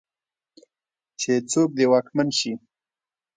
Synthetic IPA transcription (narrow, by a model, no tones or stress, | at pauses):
t͡ʃet͡sok̚d̪ewɑkmanʃi